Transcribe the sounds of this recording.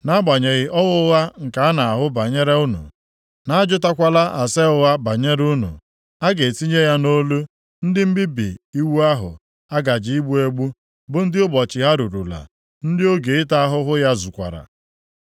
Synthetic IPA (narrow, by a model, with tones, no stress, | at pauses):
na˦ɡ͡ba˨ɲe˨ɣɪ˨ʔɔ˦ɣʊ˦ɣa˦ŋ̩˨ka˨a˦na˨a˨ɦʊ˦ba˨ɲe˦ɾe˦u˦nṵ˨ | na˦a˦d͡ʒʊ˦ta˦kʷa˦la˦ʔa˨se˦ʊ˦ɣa˦ba˨ɲe˦ɾu˦nṵ˨ | a˦ɡe˨si˦ɲe˦ja˦no˦lu˦ | n̩˦dɪ˦m̩˦bɪ˦bi˨i˦wu˦a˦ɦʊ̰˨ | a˦ɡa˨d͡ʒɪ˨˦i˦ɡ͡bu˦e˦ɡ͡bu˦ | bʊ˨n̩˦dɪ˦ʊ˦bɔ˨t͡ʃɪ˨ɦa˦ɾu˨ɾu˨la̰˨ | n̩˦dɪ˦o˦ɡe˨ɪ˦ta˦a˦ɦʊ˦ɦʊ˦ja˦zu˨kʷa̰˨ɾa̰˨